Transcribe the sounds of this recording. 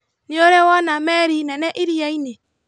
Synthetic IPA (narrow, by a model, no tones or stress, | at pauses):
nioɾɛwɔnamɛɾinɛnɛʔiɾiaine